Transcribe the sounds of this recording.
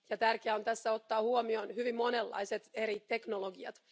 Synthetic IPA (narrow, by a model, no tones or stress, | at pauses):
jɑt̪ærkeæont̪æsːæot̪ːɑːhuomionhyʋimmo̞nelːɑ̰iset̪eɾit̪e̞knoloɡiɑ̰t̪